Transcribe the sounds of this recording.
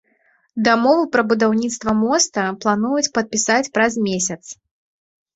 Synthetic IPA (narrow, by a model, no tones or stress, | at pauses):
d̪amɔvɨpɾɐbud̪awnʲit̪st̪vɐmɔst̪ɐplˠanujut͡sʲpɐt̪̚pʲisat͡sʲpɾɐzmʲesʲɐt̪s